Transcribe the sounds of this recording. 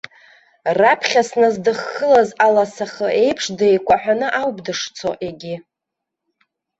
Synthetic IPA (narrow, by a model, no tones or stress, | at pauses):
rapʰχʲasnazdɨχːəlazalasaχəʔe̞jpʰʂdejkʷʰʼaħʷᶣanɨʔawbdɨʂt͡sʰo̰ʔe̞ɡʲi